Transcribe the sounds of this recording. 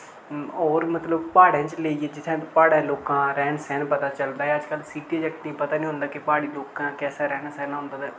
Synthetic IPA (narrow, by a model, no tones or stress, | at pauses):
ɔːɾmət̪ləbpaːɽãːt͡ʃleːiːeːd͡ʒɪt̪ʰːẽːpaːɽãːloːkãːɾɛːnsɛːnpət̪aːt͡ʃəld̪aːɦɛəd͡ʒkəlsiːʈiːed͡ʒɛkʈnĩːpət̪aːnĩːɦʊ̃nd̪aːkɪpaːɽiːloːkãːkɛːseːɾɛːnasɛːnaɦʊ̃nd̪aː